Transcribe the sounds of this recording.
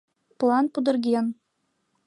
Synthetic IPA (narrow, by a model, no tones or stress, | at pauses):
plˠɑnpud̪ɤ̆rɡʲen